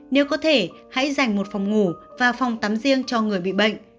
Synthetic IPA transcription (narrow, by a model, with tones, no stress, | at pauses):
ne˨˦wkɔ˨˦t̪ʰe˧˩ | ha̰˧˥jza˨˩jŋ̟mo˨˩t̚fɔ˨˩wŋ͡mŋu˧˩vaː˨˩fa˨˩wŋ͡mt̪aː˨˦mzi˧əŋt͡ɕɔ˧ŋɨ˨˩əjɓḭ˧˨ɓə̰˧˨ŋ̟